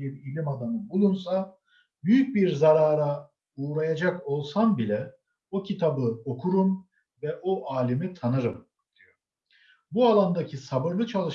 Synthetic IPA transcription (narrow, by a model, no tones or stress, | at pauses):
ebiilʲimad̪anɯbulˠunsa | byjyc̚biɾzaɾaːɾa | uːɾajad͡ʒako̞lˠsambilʲɛ | ocʰit̪ʰabɯo̞kʰuɾum | vɛʔo̞ʔaːlʲimit̪ʰanɯɾɯm | d̪̥io | bualˠand̪acʰisabɯɾlˠɯt͡ʃʰalˠɯʃ